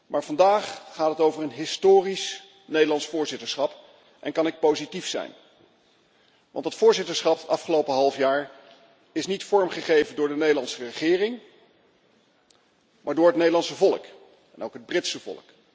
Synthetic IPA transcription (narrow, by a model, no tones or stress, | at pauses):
mʔaːɹvɑndaːχːaːtətowvərənɦɪstoːris | nejdəlɑnsfʊːɹzɪtəɹsχɑp | ʔɛ̰nkɑnɪk̚powzitifsɛ̰jn | ʋʔɑ̰ntətfʊːɹzɪtəɹsχɑpɑfχəlowpəɦɑlˠfjaːɹ | ɪsnitfɔɹmχəχejvəndʊːɹdənejdəlɑnsərəχɪːrɪŋ | maːɹdʊːɹɦətnejdəlɑnsəvɔlˠə̰k | ɛnowkɦəd̚brɪtsəvɔ̰lˠək